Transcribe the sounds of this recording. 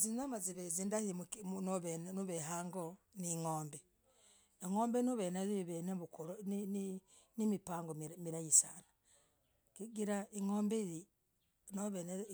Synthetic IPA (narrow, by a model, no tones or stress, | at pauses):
zinamaziβezindahimuknoβennuβeɦaːŋɡoniŋoːmbe | eŋoːmbenuβeneziβeneβukulnin | nimipaːŋɡomiɾajisana | kiɡiɾaiŋoːmbeiɾi | noβene